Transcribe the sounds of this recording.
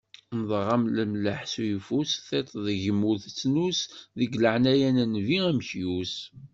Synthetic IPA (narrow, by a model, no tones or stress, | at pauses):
nəðˤʁɑmləmləħsujfusθet̪ˤðʝəmːuθt͡sːnusðəɡləʕnæjænænviæmçjus